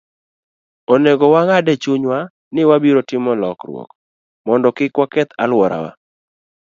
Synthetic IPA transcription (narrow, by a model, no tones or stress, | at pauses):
oneɡɔwaŋadɛt͡ʃuɲwa | nɪwabiɾotɪmɔlɔkrwɔ̰k | mɔndɔkɪkwakɛt̪alwɔɾa̰wa̰